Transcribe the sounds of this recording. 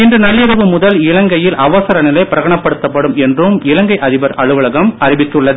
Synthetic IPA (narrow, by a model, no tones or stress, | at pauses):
ɪndrɯnɐljɐɾɐʋɯmʊðɐlɪɭɐŋɡɐjɪlʔɐʋɐsɐɾɐnɪlɐɪpɪɾɐɣɐɳɐpːɐɽɯt̪ːɐpːɐɽɯmɛndrɯmɪlɐŋɡɐɪʔɐðɪbɐɾɐɻɯʋɐɭɐɣɐmɐɾɪʋɪt̪ːɯɭːɐðɯ